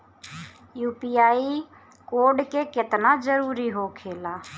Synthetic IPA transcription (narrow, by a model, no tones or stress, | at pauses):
juːpiːaːi | koːɾɖkekɪt̪nad͡ʒəɾuːɾiɦokʰeːlaː